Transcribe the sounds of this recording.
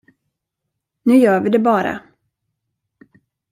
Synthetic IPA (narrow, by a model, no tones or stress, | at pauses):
nʉ̟ːjœːvɪd̪ɛbɑːɾa̰